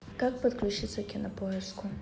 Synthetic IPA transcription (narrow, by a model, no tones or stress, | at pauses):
kak̚pɐd̪klʲut͡ʃʰit̪sʰɐkʲɪnɐpʰojɛskʰʷʊ